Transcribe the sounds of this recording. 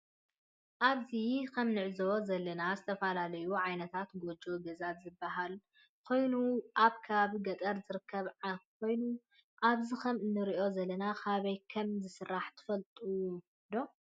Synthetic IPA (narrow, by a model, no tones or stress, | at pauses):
ʔaβzikʰɐmnɨʕzozɐlːɐnazɨt̪ʰɐfɐlalɐjuʕajnɐt̪ʰat̪ɡo̞d͡ʒoɡɐzat̪zɨbːaɦal | kʰo̞jnuʔaβkʰɐaβaβiɡɐt̪ʼɐɾzɨɾɨkʰːɐβʕakʰo̞jnu | ʔaβzikʰɐmɨnːɨɾiʔo̞zɐlːɐnakʰaβɐjkʰɐmzɨsɨrːaħt̪ʰɨ̥fɐlt̪ʼu | d̪o̞